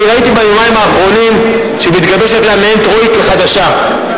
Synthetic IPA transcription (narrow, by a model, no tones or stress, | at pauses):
eait̪ibajo̞maimaːχʁo̞nim | ʃemit̪ɡabeʃetlameent̪ʁoikleχadaʃa